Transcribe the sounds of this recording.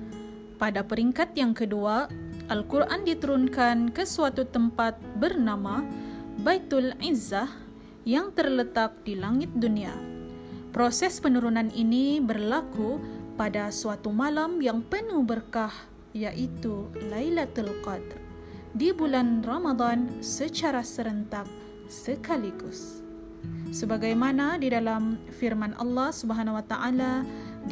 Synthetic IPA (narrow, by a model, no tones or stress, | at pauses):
padapəɾiŋkat̪jaŋkəduaʔalkurʔandit̪əɾunkankəsuat̪ut̪əmpat̪̚bərnamabait̪ulizːah | jaŋt̪ərlət̪ak̚dilaŋɪt̪̚dunia̰ | pɾosɛspənuɾunanʔinibərlakupadasuat̪umalamjaŋpənubərkah | jaʔit̪ulajlat̪ulqɑd̪r | dibulanrɔmad̪ˤɑnsət͡ʃaɾasəɾənt̪ak̚ | səkaliɡusː | əbaɡajmanadidalamfirmanʔɑ̰lːɑhsubəɦanawat̪aʔala